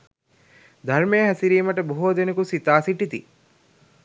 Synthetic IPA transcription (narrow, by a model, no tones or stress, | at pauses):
d̪ʱɐɾmeːɦæsiɾiːməʈəboɦoːd̪enekusit̪aːsiʈit̪i